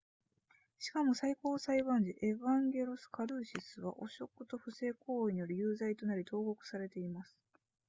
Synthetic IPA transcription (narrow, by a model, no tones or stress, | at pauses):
ɕi̥kamo̞saiko̞ːsaiβãɲ̟d͡ʑiʔe̞βãŋɡʲe̞ɾosɨ̥kaɾɯ̟ːɕisɨβa̰ʔo̞ɕo̞kːɯ̟t̪o̞ɸɯ̟se̞ːko̞ːiɲ̟ijoɾɯ̟jɯːzait̪o̞naɾʲit̪o̞ːɡo̞kɯ̟̥saɾe̞t̪e̞imasɨ̥